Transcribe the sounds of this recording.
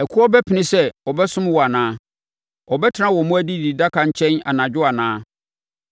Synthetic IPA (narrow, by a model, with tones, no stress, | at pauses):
ɛ˨kʰʊ˦ɔ˦bɛ˦pʰɪ˨nɪ̃˦sɛ˦ɔ˨bɛ˦sʊ̃˦m˦wɔ˨a˨nãː˦ | ɔ˨bɛ˦tʰɪ˦nã˦wɔ˨mʊ̃˦æ˦di˦di˨da˦kʰa˨ɲ̩˦t͡ɕʰɛ̃˦na̰˨nã˨d͡ʑᶣʊ˦a˨nãː˨˦